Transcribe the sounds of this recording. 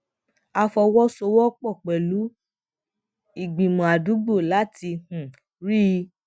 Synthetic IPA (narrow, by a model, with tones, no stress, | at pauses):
a˧fɔ˧wɔ˦so˧wɔ˦k͡pɔ˦˨k͡pɛ˨lu˨˦ | i˨ɡ͡bĩ˨mɔ̃˨a˨du˨˦ɡ͡bo˦˨la˨˦ti˧hũ˨ | ɾi˦˧